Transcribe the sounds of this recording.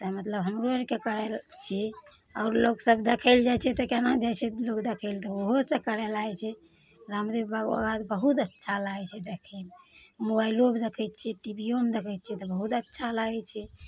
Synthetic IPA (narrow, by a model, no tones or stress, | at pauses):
t̪əmət̪ləbɦəmɾoenkekəɾɛlt͡ʃʰi | aːɾloɡsəbd̪ekʰəld͡ʒajt͡ʃʰɛt̪ɔkenad͡ʒat͡ʃʰɛlokd̪ekʰəɪlt̪ɔoɦosəkəɾɛlaɛt͡ʃʰɛ | ɾamd̪ebbaɡa̰ɡat̪bəɦut̪ətːʃʰalat͡ʃʰɛd̪ekʰəlmobailobd̪ekʰət̪̚t͡ʃʰɛʈibiomed̪ekʰət̪̚t͡ʃʰɛt̪ɔbəɦut̪ətːʃʰalaɡɛt͡ʃʰɛ